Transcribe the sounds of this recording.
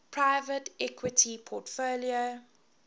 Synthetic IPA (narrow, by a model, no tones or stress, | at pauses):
pʰɹaɪvətɛkʰwɪtʰipʰɔtfolio